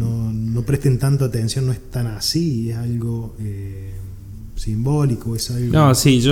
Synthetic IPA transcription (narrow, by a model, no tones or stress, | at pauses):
ono̞pɾeht̪ent̪ant̪oat̪ensjo̞nːoeht̪anasiesalɣo̞e | simbolikoesalɣnoosiʒo